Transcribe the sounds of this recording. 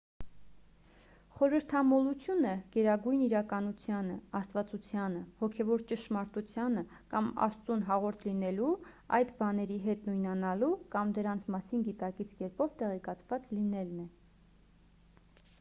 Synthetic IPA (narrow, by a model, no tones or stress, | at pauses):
χɔɾəɾt̪ʰɑmɔlut͡sʰjunəɡ̥ɛɾɑɡujniɾɑkɑnut͡sʰjɑnəɑst̪vɑt͡sut͡sʰjɑnəhɔkʰɛvɔɾt͡ʃəʃmɑɾt̪ut͡sʰjɑnə | kɑmɑ̰st͡sunɦɑʁɔɾt̪ʰlinɛlu | ɑjd̪bɑnɛɾiɦɛt̪nujnɑnɑlukɑmd̪əɾɑnt͡sʰmɑsinɡit̪ɑkit͡sʰkɛɾpɔvt̪ɛʁɛkɑt͡sʰvɑt͡slinɛlnɛ